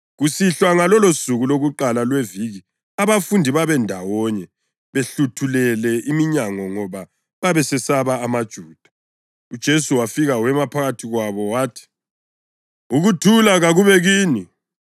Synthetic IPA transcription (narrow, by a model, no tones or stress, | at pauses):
ɣusiɬwaŋalɔlosuɣuloɣuǃalalweviɣi | aβafundʱiβaβɛndʱawɔɲɛ | βeɬutʰulɛlɛʔimiɲaŋɔŋɔβa | βaβɛsɛsaβaːmad̥ʒ̥ʱuːd̥ʱḁ | ud̥ʒ̥ʱesuwafiɣawɛmapʰaɣatʰiɣwaβɔwaːtʰi̥ | uɣutʰulaɣaɣuβɛɣiːni